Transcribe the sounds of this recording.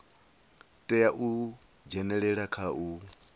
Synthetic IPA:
tʼɛjaʔu | d͡ʒɛnɛɺɛɺakʰaʔu

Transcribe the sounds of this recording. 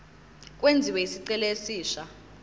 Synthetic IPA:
k̬ʼwend͡zʱiwɛisiǀɛlesiːʃa

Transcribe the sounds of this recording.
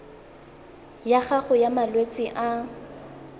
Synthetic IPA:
jaχaχʊjamalwet͡sʼɪʔa

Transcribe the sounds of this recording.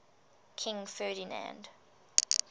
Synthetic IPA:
kʰɪ̃ŋfɜːɾinã̰nd

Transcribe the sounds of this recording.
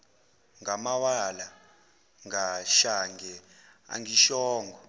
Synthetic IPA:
ŋamawala | ŋaʃaŋɡɛ | a̰ŋiʃɔːŋɡʱɔ

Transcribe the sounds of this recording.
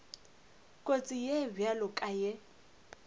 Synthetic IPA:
kʼot͡sʼijɛbjalʊkʼajɛ

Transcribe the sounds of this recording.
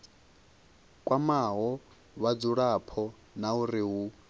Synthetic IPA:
kʼwʔamaɦɔ | βad͡zuɺapʰɔ | nauriɦu

